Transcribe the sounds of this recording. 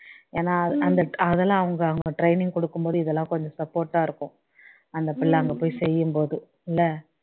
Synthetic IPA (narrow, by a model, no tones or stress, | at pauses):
eːnaːɐɐnd̪ɐʈɐðɛlãːɐʋɐŋɡɐːʋɐŋɡɡɐʈɾɐɪnɪŋɡ̚kɔɽɯkːɯmboːðɯɪðɛlːãːkɔɲd͡ʒɔ̃sɐpːoːɾʈːaːɪɾɯkːʊ̃ | ɐnd̪ɐpɪɭːɐɐŋɡɐpoːjsɛjːɯmpoːðɯ | ɪlːɐ